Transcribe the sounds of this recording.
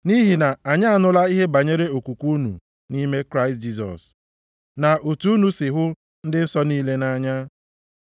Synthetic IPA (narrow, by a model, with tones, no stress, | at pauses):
ni˦ɦi˨na˨a˨ɲa˦a˦˨nʊ˦la˦i˦ɦe˦ba˨ɲe˦ɾe˦o˨kʷu˨kʷu˦u˦nṵ˨ | ni˦me˦kɾa˦ɪst̚d͡ʒi˦s̬ɔ̰˨s | na˨ʔo˨tu˨˦u˦nu˨sɪ˨ɦʊ˦ | n̩˦dɪ˦n̩˦sɔ˦niː˦le˦na˦ɲa˦